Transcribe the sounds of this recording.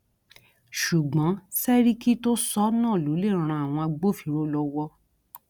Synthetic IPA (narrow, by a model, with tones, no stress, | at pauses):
ʃu˨ɡ͡bɔ̃˨˦sɛ˦ɾi˦ki˦to˦sɔ˦nãː˦˨lo˨˦le˦˨ɾ̃ã˧˨a˨w̃ɔ̃˧a˧ɡ͡bo˦˨fi˨˧ɾo˦lɔ˧wɔ˧˦